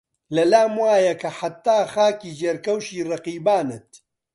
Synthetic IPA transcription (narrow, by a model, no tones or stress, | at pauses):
lɐlaːmwaːjɐkʰɐħat̪ːaːxaːkiːd͡ʒeːɾkɐwʃiːrɐqiːbaːnɨt̪̚